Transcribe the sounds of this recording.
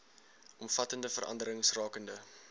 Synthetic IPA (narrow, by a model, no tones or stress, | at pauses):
ʔɔmfɐtəndəfəɾʔɐ̰ndəɾəŋsrɑːkəndə